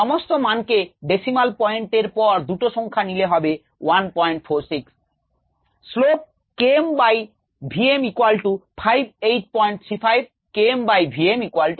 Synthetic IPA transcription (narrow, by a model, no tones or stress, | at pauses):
ɔmost̪omankeɖesimalpɔeɳʈeɾpɔɾd̪uʈoʃɔŋkʰanileɦɔbe | wanpɔeɳʈfʰoɾsiks | slop̚ | kembaj | bʱiemikwalʈupʰajb̚ʱejʈ̚pɔeɳʈt̪ʰipʰajb̚ | kembajbʱiemikwalʈu